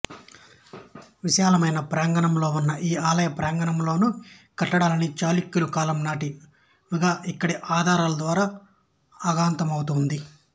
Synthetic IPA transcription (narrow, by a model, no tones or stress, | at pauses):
ʋiʃaːlɐmɐjnɐpɾaːŋɡɐɳɐmlo̞ːunːɐʔiːaːlɐjɐpɾaːŋɡɐɳɐmlo̞ːnukɐʈːɐɽaːlɐnit͡ʃaːlikːulukaːlɐmnaːʈi | ʋiɡaːʔikːɐɽiʔaːd̪ʱaːɾaːlɐd̪ʋaːɾaː | ɐɡaːnt̪ɐmɐwut̪und̪i